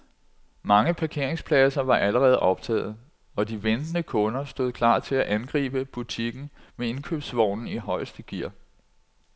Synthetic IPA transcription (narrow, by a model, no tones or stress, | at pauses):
mɑ̈ŋəpʰɑ̈kʰe̝ɐe̝ŋspʰlɛsɐʋɑ̈ʔæləʁɛːð̞̩ˠʔɒ̽b̥̚t͡sʰɛ̰ːð̞̩ˠ | ɒ̽d̥iʋend̥ənəkʰɔ̽nɐsd̥o̝ð̩ˠkʰlɑ̰̈ːt͡sʰe̝læʔænɡ̥ʁḭːb̥əb̥ut͡sʰiɡ̥n̩mee̝nkʰøb̥sʋɒʊ̰nn̩iɦɒ̽ɪsd̥əɡ̥iɐ̰